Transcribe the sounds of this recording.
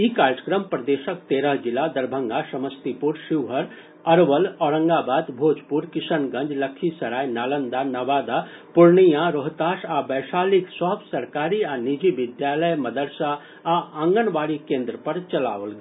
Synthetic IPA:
ikaɾd͡ʒə̥kɾəmpɾəd̪eʃəkt̪eːɾəɦd͡ʒilad̪əɾbʱə̃ŋɡasəməst̪ipuɾʃiʋɦəɾ | əɾʋəlɔːɾə̃ŋɡabaːd̪bʱoːd͡ʒpuɾkisənɡə̃nd͡ʒləkʰːisɐɾaːjnaːlənd̪anaʋaːd̪a | puɾnijãɾoɦt̪aʃabəjʃaːliksɔɦbsɐɾkaɾianid͡ʒibɪd̪jaləjmɐd̪əɾsaː | ãŋɡənʋaːɽikẽːnd̪ɾəpəɾt͡ʃɐla̰ʋəlɡe

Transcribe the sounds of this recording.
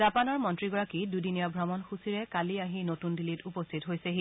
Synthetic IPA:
zapanɔɹmɔntɹiɡɔɹakidudiniɔbʱɹɔmɔnxusiɹɛkaliaɦinotundilitupɔstʰitɦojsɛɦi

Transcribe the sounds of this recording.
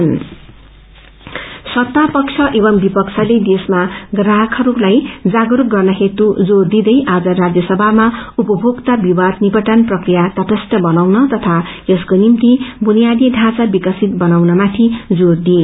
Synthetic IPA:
n | sʌt̪ːapʌkt͡sʰʌʔebʌmbipʌksʰʌled̪esmaɡraɦkʰʌɾulajd͡zaɡɾuk̚ɡʌrnʌɦet̪ud͡zord̪id̪ʌjʔad͡zʌrad͡zjʌsʌbʱamaupʌbʱoɡt̪abiwad̪nibʌʈanprʌkrijat̪ʌt̪ʌsʈʌbʌnawnʌt̪ʌt̪ʰaeskonimt̪ibunijad̪iɖʱat͡sabikʌsit̪̚bʌnawnʌmat̪ʰid͡zord̪i

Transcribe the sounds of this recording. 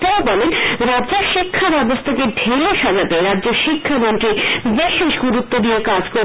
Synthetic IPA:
ʈaobɔlenɾadd͡ʑeɾʃikʰːabɛbost̪ʰakeɖʱeloʃad͡ʑat̪eɾadːd͡ʑoɾʃikʰːamont̪ɾibeʃeʃɡuɾut̪ːod̪ijekad͡ʑko

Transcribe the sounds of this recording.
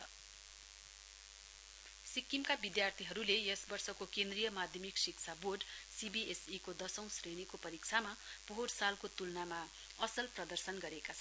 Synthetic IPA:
sikːimkabid̪jart̪ʰiɦʌɾulejʌsbʌrsʌkokend̪rijʌmad̪ʱjʌmiksikt͡sʰaborɖsibiesikod̪ʌsʌ̃w̃srenikopʌɾikt͡sʰamapoɦoɽsalkot̪ulnama | ʌsʌlprʌd̪ʌrsʌnɡʌɾekat͡sʰʌ

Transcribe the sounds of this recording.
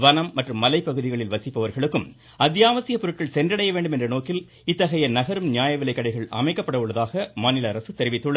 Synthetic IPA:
ʋɐnɐmːɐʈrɯmːɐlɐɪpːɐɣɯðɪɣɐɭɪlʋɐsɪpːɐʋɐɾɣɐɭɯkːɯm | ɐd̪jaːʋɐsɪjɐpːɔɾɯʈ̚kɐɭsɛndrɐɽɐjɐʋeːɳɖɯmɛndrɐnoːkɪl | ɪt̪ːɐɣɐjɐnɐɣɐɾɯmnɪjaːjɐʋɪlɐɪkːɐɽɐɪɣɐɭʔɐ̰mɐɪkːɐpːɐɽɐɯɭːɐðaːɣɐmaːnɪlɐɐɾɐsɯt̪ɛɾɪʋɪt̪ːɯɭɐɾ

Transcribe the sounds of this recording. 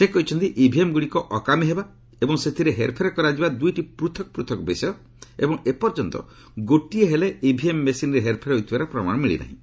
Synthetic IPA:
sekɔɦit͡ʃʰɔnt̪iʔibʱiemɡuɽikɔʔɔkamiɦeba | ebɔŋset̪ʰiɾeɦeɾpʰeɾɔkɔɾad͡ʒibad̪ujʈipɾut̪ʰɔkɔ̥pɾut̪ʰɔkɔbesɔjɔ | ḛbɔŋepɔɾd͡ʒɔnt̪ɔ̰ | ɡoʈieɦeleibʱiemːesinɾeɦeɾpʰeɾɦojt̪ʰibaɾepɾɔma̰ɽ̃ɔmiɭḭna̰ɦḭ̃

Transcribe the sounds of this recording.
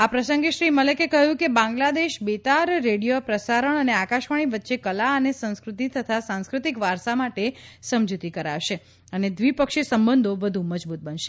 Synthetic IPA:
apɾəsəŋɡeʃɾimələkekəɦjũkebãŋɡlad̪eʃbet̪aɾːeɽijopɾəsaɾəɳ̃əneakaʃʋaɽ̃iʋətːʃekəlaənesə̃ñskɾut̪it̪ʰət̪ʰasãñskɾut̪ikʋaɾsamaʈesəmd͡ʒut̪ikəɾa̰ʋʃe | əned̪ʋipəkʃesəmbənd̪ʱoʋəd̪ʱũməd͡ʒbut̪̚bənʃe

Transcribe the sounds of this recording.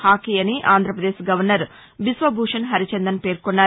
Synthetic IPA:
aːkijɐniʔaːnd̪ʱɾɐpɾɐd̪eːsɡɐʋɐɾnɐɾ | bisʋɐbʱuːʂɐnɦɐɾit͡ʃend̪ɐnpe̞ːɾkonːaː

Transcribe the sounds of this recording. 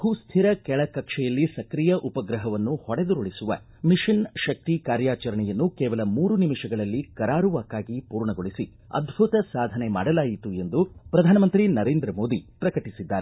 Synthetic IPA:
huːst̪ʰiɾɐkɛɭɐkɐkʂɛjɐlːisɐkɾijɐʔupɐɡɾɐɦɐʋɐnːuhɔɽed̪uɾoɭisuʋɐ̰ | miʂinʃɐk̚t̪ikaːɾjaːt͡ʃɐɾɐɳɛjɐnːukɛːʋɐlɐmuːɾunimiʂɐɡɐɭɐlːikɐɾaːɾuʋaːkːaːɡipuːɾɳɐɡoɭisi | ɐ̰d̪ʱbʱut̪ɐsaːd̪ʱɐnema̰ːɽɐlaːjit̪ue̞nd̪upɾɐd̪ʱaːnɐmɐnt̪ɾinɐɾeːnd̪ɾɐmo̞ːd̪ipɾɐkɐʈisid̪ːaːɾe

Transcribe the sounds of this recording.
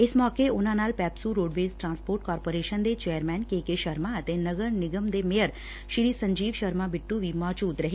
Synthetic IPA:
ɪsmɔːkeonãnaːlpɛːpsuɾoːɖʋeːzʈɾãnspoːɾʈkɔːɾpoːɾeːʃənd̪et͡ʃejəɾmɛ̃nkekeʃəɾmãət̪enəɡəɾnɪɡəmd̪emejəɾ | ʃɪɾiːsə̃ɲd͡ʒiːʋʃəɾmãbɪʈːuʋimɔːt͡ʃuːt̪ɾəɦe

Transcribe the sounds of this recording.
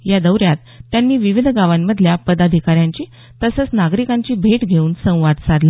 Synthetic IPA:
jad̪əwɾjat̪ːjanːiːʋiʋid̪ʱɡaʋamːəd̪ʱljapəd̪ad̪ʱikaɾjãɲt͡ɕiː | t̪əsət͡snaɡɾikãɲt͡ɕiːbʱeʈɡʱeuːnsə̃w̃ʋad̪sad̪la

